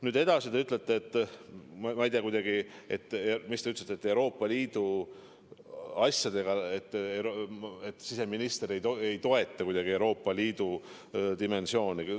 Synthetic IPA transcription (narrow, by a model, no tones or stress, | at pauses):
nyːd̪e̞d̪ɑsid̪eyt̪ˑlet̪ːˑeet̪ˑːmmɑejd̪iɑkujd̪ɑɡie̞t̪ːˑmist̪eyt̪let̪ːet̪ːˑe̞uɾo̞ːpˑːɑliːd̪̥u | ɑsʲjɑd̪̥e̞ɡ̥ɑet̪ːeet̪ːsise̞minist̪eɾejoejt̪o̞e̞t̪ːˑɑkujd̪ɑɡ̥ie̞wɾo̞ːpːˑɑliːd̪̥u | d̪ime̞nsio̞ːni